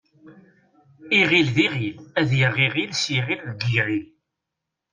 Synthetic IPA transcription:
iʁilðiʁilæðjəʁːiʁilsjiʁilðɡiʁil

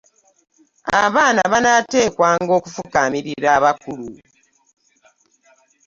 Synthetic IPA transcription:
aβaːnaβanate̞ːkwaːŋɡo̞ːkufukamiɾiɾaβakulu

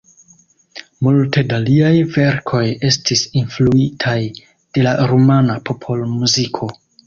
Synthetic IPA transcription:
multe̞daliajve̞ɾkʰo̞je̞stisinfluitʰaj | d̥e̞laɾomanapʰo̞pʰo̞lmuzikʰo̞

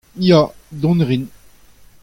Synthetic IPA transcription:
jad̪ɔ̃nʁin

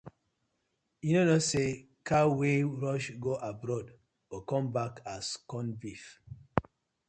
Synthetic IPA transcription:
jinonose | kʰaweɹɔʃɡoʔabɾɔd | okɔ̃mbakʰaskɔ̃nbif

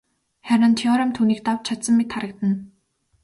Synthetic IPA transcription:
xæɾə̆nt̪ʰiɔɾɔmt̪ʰuːniːk̚t̪awt͡ɕʰat̪sə̆mːet̪χaɾə̆k̚t̪ə̆n

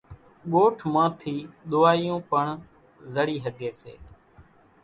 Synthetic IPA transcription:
ɠoːʈʰmãːt̪ʰiːɗ̪ʊːaːijõːpəɳ | zəɽiːɦəɡeːsḛː

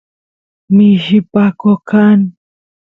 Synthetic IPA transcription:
mɪʃɪpakokan

